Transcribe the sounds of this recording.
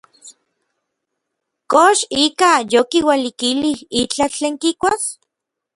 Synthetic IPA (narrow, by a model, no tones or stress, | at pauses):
koʃikajokiwalikilihit͡ɬat͡ɬeːŋkikʷas